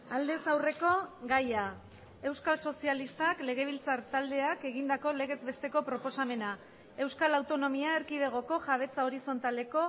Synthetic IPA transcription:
ald̪e̞sawre̞ko̞ɡaja | e̞wskalso̞sialist̪akle̞ɣ̞e̞β̞ilt͡saɾt̪ald̪e̞ake̞ɣind̪ako̞le̞ɣ̞e̞zbe̞st̪e̞ko̞pɾo̞po̞same̞na | e̞wskalawt̪o̞no̞miaeɾkið̞e̞ɣ̞o̞ko̞ʝaβ̞e̞t͡sao̞ɾiso̞nt̪ale̞ko̞

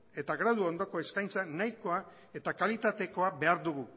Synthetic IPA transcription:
e̞t̪aɣɾaðuo̞nd̪o̞ko̞e̞skajnt͡sanajko̞a | e̞t̪akalit̪at̪e̞ko̞abe̞aɾðuɣu

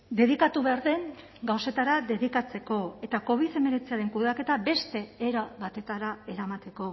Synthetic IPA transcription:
d̪e̞ð̞ikat̪uβe̞aɾðe̞ŋ | ɡawse̞t̪aɾaðe̞ðikat͡se̞ko̞e̞t̪ako̞βiðe̞me̞ɾe̞t͡siaɾe̞ŋkuðeake̞t̪abe̞st̪e̞eɾaβat̪e̞t̪aɾae̞ɾamat̪e̞ko̞

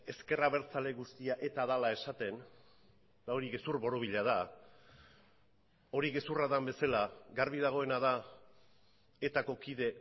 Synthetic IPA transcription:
e̞ske̞raβe̞ɾt͡sale̞ɣust̪iaʔe̞t̪aðalae̞sat̪e̞n | d̪ao̞ɾiɣe̞surβo̞ɾoβ̞iʎað̞a | o̞ɾiɣe̞suraðambe̞salaɡaɾβiðaɣ̞o̞e̞naða | e̞t̪ako̞kiðe̞

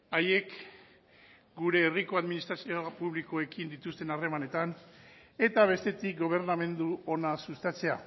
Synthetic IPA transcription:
aje̞k | ɡuɾe̞ːriko̞aðminist̪ɾasiopuβliko̞e̞kind̪it̪ust̪e̞nare̞mane̞t̪an | e̞t̪aβ̞e̞st̪e̞t̪ik̚ɡo̞β̞e̞ɾname̞nd̪uo̞nasust̪at͡se̞a̰

